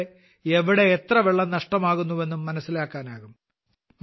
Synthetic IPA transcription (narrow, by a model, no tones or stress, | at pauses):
eʋiɽe̞ːt̪rɐʋeɭːɐnɐʂʈɐmaːɣunːuʋe̞nːumːɐnɐsːilaːkːaːnaːɣum